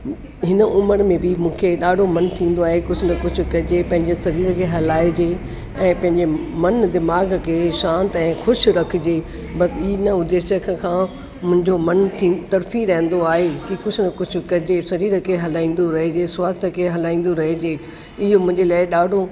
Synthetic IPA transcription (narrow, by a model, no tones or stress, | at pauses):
ɦɪnəʔʊməɾmẽbɪmũːkʰeɗaːɖʱomɐnt̪ʰĩːn̆d̪oaːɦekʊd͡ʑʰʊnɐkʊd͡ʑʰʊkɐɪd͡ʑepɐ̃ɦɪ̃ɲd͡ʑesɐɾiːɾəkʰeɦɐlaːed͡ʑeː | ɛ̃ːpɐ̃ɦɪ̃ɲd͡ʑemɐnd̪ɪmaːɡkʰeːʃãːnt̪ɛ̃ːxʊʃɾɐkʰɪd͡ʑeː | bɐsɪnəʊd̪eːʃəkəkʰãː | mʊ̃ɦɪ̃ɲd͡ʑomɐnt̪ʰĩːt̪ɐɾfĩɾɐɦə̃n̆d̪oaːɦekikʊd͡ʑʰʊnɐkʊd͡ʑʰʊkɐɪd͡ʑesɐɾiːɾəkʰeɦɐlaːĩːn̆d̪oɾɐɦed͡ʑeːsʊwaːst̪ʰəkʰeɦɐlaːĩːn̆d̪oɾɐɦed͡ʑeː | ɪɦomʊ̃ɦɪ̃ɲd͡ʑelaːɪɗaːɖʱo